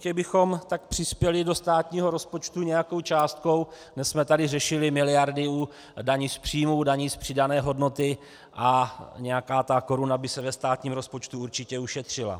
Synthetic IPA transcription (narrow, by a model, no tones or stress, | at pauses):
cɛbɪxo̞mt̪ak̚pr̝̥ɪspjɛlɪdo̞st̪aːt̪ɲiːɦo̞ɾo̞spo̞t͡ʃt̪uɲɛjako̞wt͡ʃaːst̪̚ko̞w | nɛʃsmɛt̪adɪrɛʃɪlɪmɪlɪjaɾdɪu | daɲiːspr̝̥iːmudaɲiːspr̥ɪdanɛːɦo̞dno̞t̪ɪ | ʔaɲɛjakaːt̪ako̞ɾunabɪsɛvɛst̪aːt̪ɲiːmɾo̞spot͡ʃt̪uuɾt͡ʃɪcɛuʃɛt̪r̝̥ɪla̰